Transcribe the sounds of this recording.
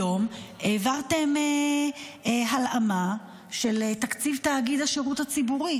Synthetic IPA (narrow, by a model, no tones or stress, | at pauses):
o̞mʔeːvaʁte̞me | ɦalama | ʃe̞ltakt͡sivtaːɡid̪aʃeʁuthat͡sibuʁi